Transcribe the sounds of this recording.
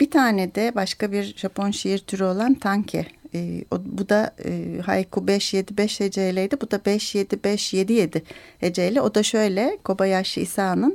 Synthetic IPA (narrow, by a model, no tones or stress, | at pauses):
b̥it̪ʰaːnɛd̪ɛbaʃkabiɾʒapʰo̞nʃijiɾt̪ʰyɾyo̞lˠant̪ʰaɲcʰɛ̰ːo̰bud̪aɯ̰ːha̰jkʰubɛʃje̞d̪ibɛʃhed͡ʒejlʲejd̪ibud̪abɛʃje̞d̪ibɛʃje̞d̪ije̞d̪ɪhed͡ʒejlʲɛo̞d̪aʃø̞jlʲɛkʰo̞bajaʃɯisaːnɯn